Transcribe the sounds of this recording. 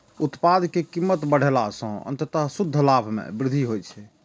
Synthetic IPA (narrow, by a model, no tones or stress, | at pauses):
ut̪pad̪kekimːət̪bəɽ̤elasə̃ə̰nt̪ət̪əɦsud̪ʱːəlabʱmḛbɾɪd̪ʱiɦojt͡ʃʰɛ